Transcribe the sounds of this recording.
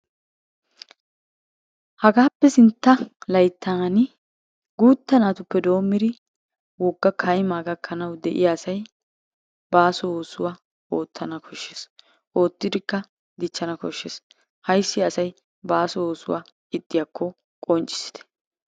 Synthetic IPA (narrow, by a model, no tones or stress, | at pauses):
hɐɡaːpːɛsɪnt̪ːɐlɐjt̪ːaɐnɪ | ɡuːt̪ːɐnaːt̪ʊpːɛd̪o̞ːmːɪd̪ɪ | wɔɡːɐkʰɐjmaːɡɐkʰːɐnɐwd̪ɛʔɪ̰jaːsɐj | baːsɔoːsʊwaː | oːt̪ːɐnɐkʰɔʃːes | ʔo̞ːt̪ːɪd̪ɪkːɐ | d̪ɪt͡ʃːɐnɐkɔʃːes | hɐjsːɪɐsɐj | baːsɔwoːsʊwaː | ɪt̪ʼːɪjɐkːɔ | kʼɔnt͡ʃʼɪ̥sɪ̥d̪ɛ̥